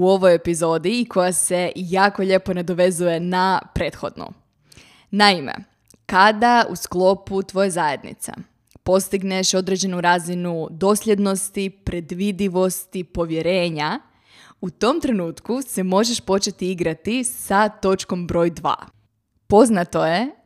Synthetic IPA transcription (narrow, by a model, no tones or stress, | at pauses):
uo̞ʋo̞jepizo̞d̪iːkʰo̞jase̞jaːko̞ʎe̞po̞ned̪o̞ʋe̞zuje̞napɾe̞ːt̪xo̞̰d̪nṵ | naimḛ | kad̪aṵsklˠo̞put̪ʋo̞jezaje̞d̪nḭt̪sa̰ | po̞st̪iɡneʃo̞d̪ɾed͡ʒe̞nuɾaːzinud̪o̞slʎʲe̞d̪no̞st̪ipɾe̞d̪ʋid̪iʋo̞st̪ipo̞ʋje̞ɾe̞ːɲa | ut̪o̞mt̪ɾe̞nuːt̪kuse̞mo̞ʒe̞ʃpo̞t͡ʃet̪iiɡɾat̪isat̪o̞t͡ʃko̞mbɾo̞jd̪ʋa̰ː | po̞znat̪o̞je̞